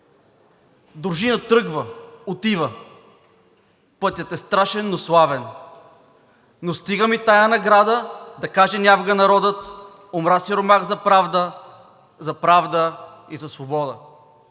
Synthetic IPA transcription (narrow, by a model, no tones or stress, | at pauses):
d̪oɾʒinət̪ɾɤɡvəot̪ivə | pɤt̪ʲjət̪ɛst̪ɾaʃɛnːoslˠavɛn | nːost̪iɡəmit̪ajənɐɡɾad̪əd̪ɐkaʒɛnʲavɡənɐɾɔd̪ət̪ | omɾasiɾomaɣzɐpɾavd̪ə | zɐpɾavd̪ə | izɐsvobɔd̪ə